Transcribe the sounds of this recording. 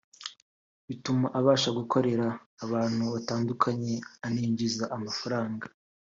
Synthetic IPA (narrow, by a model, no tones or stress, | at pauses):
βitumaʔaβaːʃaɡuko̞ɾe̞ɾaːβaːn̥huβataːndukʰaɲe̞aniːɲɟizaʔamafaɾaːŋɡa